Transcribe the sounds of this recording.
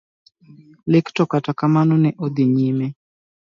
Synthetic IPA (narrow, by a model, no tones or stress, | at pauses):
lɪktɔkatakamanɔnɛʔod̪ɪɲime